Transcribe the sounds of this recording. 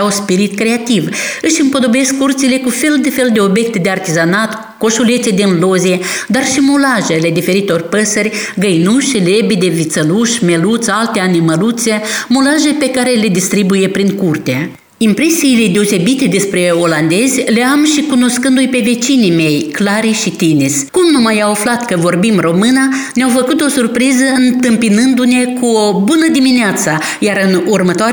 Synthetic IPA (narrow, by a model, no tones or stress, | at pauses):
aspiɾit̪kɾe̞at̪ivɨʃɨmpo̞d̪o̞be̞skːurt̪sile̞kufe̞ld̪efe̞ld̪e̞o̞bjek̚t̪d̪e̞art̪izanat̪ | ko̞ʃulet̪sed̪enlo̞zied̪arʃimulaʒele̞d̪ife̞ɾit̪eorpəsərʲɡəjnuʃlebid̪e̞vit̪səluʃʲme̞lut̪sʲalt̪eaniməlut̪se̞mulaʒepe̞kaɾe̞le̞d̪ist̪ɾibuje̞pɾiŋkurt̪e | impɾe̞siːle̞d̪e̞o̞se̞bit̪e̞d̪e̞spɾe̞o̞land̪e̞zʲleamʃikuno̞skɨnd̪ujpe̞ve̞t͡ʃinime̞jklaɾiʃit̪iniskumnumajawaflat̪kəvo̞rbimro̞mɨnaneawfəkut̪o̞surpɾizəɨnt̪ɨmpinɨnd̪une̞kʰuobunəd̪imineat̪sa | jaɾɨnurmət̪oa